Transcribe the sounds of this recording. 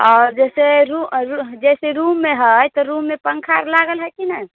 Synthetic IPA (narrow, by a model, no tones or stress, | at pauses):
ɔːɾd͡ʒɛseɾuɾud͡ʒɛseɾumːeɦəjt̪ɔɾumːepəŋkʰaɾlaɡəlɦəjkinəj